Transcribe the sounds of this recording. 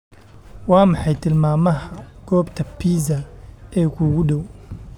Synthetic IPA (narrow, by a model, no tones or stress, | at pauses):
wɑːmɑħɑjt̪ʰɪlmaːmɐɦɐɡ̥ɔːbt̪ʰɐpʰiːzɐɛːkʰuːɣʊɖɔw